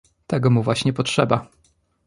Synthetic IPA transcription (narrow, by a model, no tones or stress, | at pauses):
t̪ɛɡɔmuvwaɕɲɛpɔtʂɛba